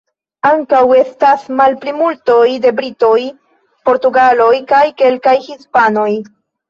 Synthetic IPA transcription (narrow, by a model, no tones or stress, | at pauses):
aŋkawe̞stasmalplimulto̞jde̞bɾito̞j | po̞ɾtuɡalo̞jkajke̞lkajhispano̞j